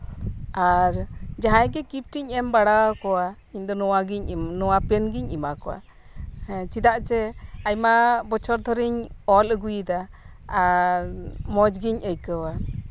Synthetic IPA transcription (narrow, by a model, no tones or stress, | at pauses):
aɾd͡ʒaɦajɡɛkip̚ʈiɲɛmbaɽawkɔwa | iɲd̪ɔnɔwaɡiɲnɔwapɛnɡiɲimakɔwa̰ | t͡ʃid̪aʔt͡ʃɛajmabɔt͡ʃʰɔɾd̪ʱɔɾiɲɔləɡujid̪a | aɾmɔd͡ʒɡiɲʔəjkəwa